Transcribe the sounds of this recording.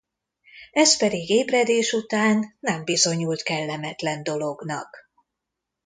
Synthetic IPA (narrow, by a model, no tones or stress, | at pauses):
ɛspɛd̪iɡeːbrɛd̪eːʃut̪aːnːɛmbizo̞ɲult̪kɛlːɛmɛt̪lɛnd̪o̞lo̞ɡnɒ̰k